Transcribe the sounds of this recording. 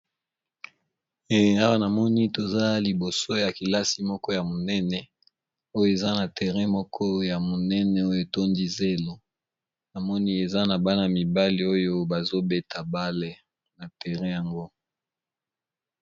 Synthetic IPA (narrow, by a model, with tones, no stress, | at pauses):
a˦wa˦na˨mɔ˦ni˦to˨za˦li˨bo˨so˦ja˨ki˨la˦si˨mɔ˦kɔ˦ja˨mo˨nɛ˦nɛ˨ | o˦jo˦e˨za˦na˨tɛ˨ʁɛ̃˦mɔ˦kʰɔ˦ja˨mo˨nɛ˦nɛ˨o˦jo˨to˦ndi˦ze˦lo˦ | na˨mɔ˦ni˦e˨za˦na˨ba˦na˨mi˨ba˦li˨o˦jo˦ba˨zo˦be˦tʰa˨ba˦le˨ | na˨tɛ˨ʁɛ̃˦ja˨ŋɡo˦